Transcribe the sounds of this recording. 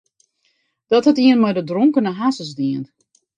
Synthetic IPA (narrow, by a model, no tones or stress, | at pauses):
d̥ɔthɛtiənmɔjdədroŋkənəɦasəsdiən